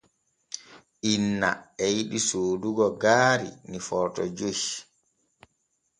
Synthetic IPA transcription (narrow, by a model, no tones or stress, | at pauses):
ʔinːa̰ɛjiɗisoːduɡɔɡaːɾḭnifɔɾtɔd͡ʒoj